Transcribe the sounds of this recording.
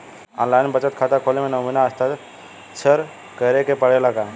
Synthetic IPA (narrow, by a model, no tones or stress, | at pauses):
ãnlajnbət͡sət̪̚kʰat̪akʰolemẽnəminaəst̪at̪ | t͡sʰəɾ | kəɾekepəɽelaka